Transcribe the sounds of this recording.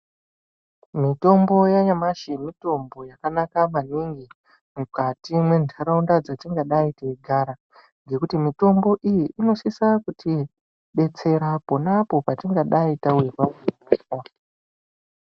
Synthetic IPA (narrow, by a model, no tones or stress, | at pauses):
mito̞mbo̞jaɲamaʃimito̞mbo̞jakanakamaniŋɡi | mukatimwe̞ntʰaɾaundad͡zatiŋɡaɗaiteiɡʱaɾa | ŋɡe̞kutimito̞mbo̞ʔijiʔino̞sisakuti | ɓe̞t͡se̞ɾapo̞napo̞patiŋɡaɗaitawe̞rameeka